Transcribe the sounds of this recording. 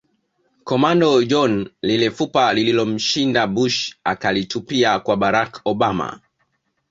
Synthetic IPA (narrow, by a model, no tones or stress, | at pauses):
kɔmandɔd͡ʒɔnlilɛfupalililɔm̩ʃindabuʃa̰kalitupiakwaɓaɾakɔɓama̰